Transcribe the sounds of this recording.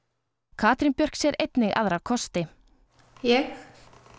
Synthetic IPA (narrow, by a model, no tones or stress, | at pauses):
kʰaːt̪ɾinpjœr̥ksjɛɾʔejt̪nɪɣa̰ðɾawkʰɔst̪ɪ | jɛx